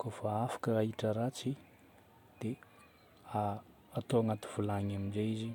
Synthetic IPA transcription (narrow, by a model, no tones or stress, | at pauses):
kofaafḁkəaɦiʈ͡ʂəɾat͡si | d̪̥e | aː | t̪oaŋat̪u̥v̥ulaɲaminzeizi